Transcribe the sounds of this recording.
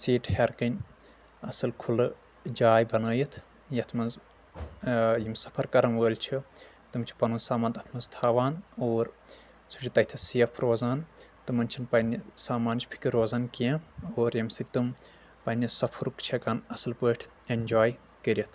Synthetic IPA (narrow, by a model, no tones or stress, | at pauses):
siːʈʰheɾkɐnʲ | ɐsɐlkʰulɨ | d͡ʒaːjbɐnəːjɐt̪ʰ | jɐt̪ʰmɐnz | jimsɐpʰɐɾkɐɾɐmʋəːlʲt͡ʃʰi | t̪ɨmt͡ʃʰi̥pɐnuːsaːmaːnt̪ɐt̪ʰmɐnzt̪ʰaːʋaːnoːɾ | sut͡ʃʰit̪ɐt̪ʰɐsiːɐpʰɾoːzaːnt̪ɨmɐnt͡ʃʰinpɐnisaːmaːnt͡ʃʰpʰi̥kʲiɾoːzaːnkijãoːɾjimsɨk̚ʲt̪ɨm | pɐnʲisɐpʰɐɾkt͡ʃʰekaːnɐsɨlpəːʈʰʲ | enʲd͡ʒaːj | kəɾʲjɐt̪ʰ